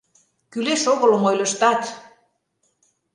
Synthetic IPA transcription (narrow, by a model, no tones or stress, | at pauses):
kyleʃoɣɤ̆lɤ̆mojlʲə̆ʃt̪ɑt̪